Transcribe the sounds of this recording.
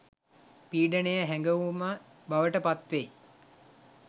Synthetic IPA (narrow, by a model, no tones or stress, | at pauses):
piːɖənəjəɦæŋɡəʋumə | baʋəʈəpat̪ʋej